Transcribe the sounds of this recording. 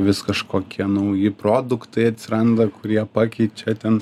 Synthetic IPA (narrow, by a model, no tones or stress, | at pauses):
ʋʲɪskɐʃkoːkʲiɛnɐʊjɪpɾoːd̪ʊkt̪ɐɪɐt̪ʲsʲɪɾɐnd̪ɐkʊɾʲiɛpɑːkʲɛɪtt͡ʃʲɛt̪ʲɛn